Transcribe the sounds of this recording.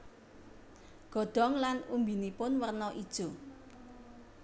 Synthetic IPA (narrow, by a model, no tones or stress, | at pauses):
ɡ̥ɔ̤d̪̥ɔ̤ŋlanumbinipʊnwərnɔʔid̥ʒ̥o